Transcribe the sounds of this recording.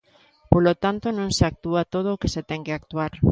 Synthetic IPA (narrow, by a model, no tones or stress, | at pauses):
polot̪ant̪onõŋseak̚t̪uat̪oð̞oːkeset̪ɛŋkeak̚t̪uaɾ